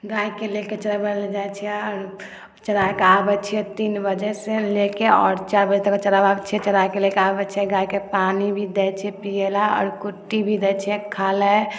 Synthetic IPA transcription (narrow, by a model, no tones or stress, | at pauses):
ɡaikeleket͡ʃəɾabəneld͡ʒajt͡ʃʰɛɛɔɾ | t͡ʃəɾakeabɛt͡ʃʰiɛt̪inbəd͡ʒɛselekeɔ̰ːɾt͡ʃaɾbəd͡ʒt̪eket͡ʃəɾababt͡ʃʰɛt͡ʃəɾakelekeabɛt͡ʃʰɛɡaikepanibʱid̪ɛt͡ʃʰɛpijelaɔ̰ːɾkuʈːibʱid̪ɛt͡ʃʰɛkʰalɛ